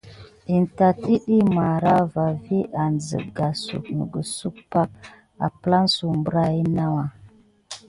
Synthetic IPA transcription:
i˨n˨ta˨ti˦ɗi˦ma˨ɾa˦va˨vi˦ʔa˨nzə̰˨ɡa˨sṵ˨knə̰˨ɡə˨su˦k̚pa˦k̚ | a̰˨pla˦nsu˨mbə˦ɾa˦i˦na˦wa˨

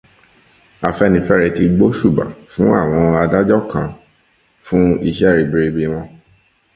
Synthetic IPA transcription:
a˨fɛ˦˧nĩ˧fɛ˦ɾɛ˧ti˧ɡ͡bo˦ʃu˦˨ba̰˨fũ˦a˦˨w̃ɔ̃˧a˧da˦d͡ʒɔ˦kã˨ | fũ˦i˧ʃɛ˦˨ɾi˨˧bi˧ɾi˧bi˧w̃ɔ̃˧

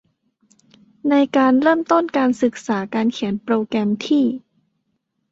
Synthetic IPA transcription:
na˧jkaː˧nɾɤː˥˩mt̪o˥˩nkaː˧nsɯ˨˩k̚saː˩˦kaː˧nkʰi˨˩˦npɾoː˧kɾɛ˧mt̪ʰiː˥˩

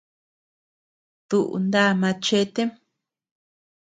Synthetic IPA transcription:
t̪u˨ʔṵ˧nd̪a˦˨mã˧t͡ʃe˦t̪e˦m

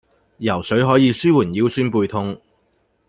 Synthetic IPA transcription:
jɐ˨˩wsɵ˨˥ɥɦɔː˨˥jiː˨˧syː˥wuː˨˩njiː˨˥wsyː˥npuː˧jt̪ʰʊ˧ŋ

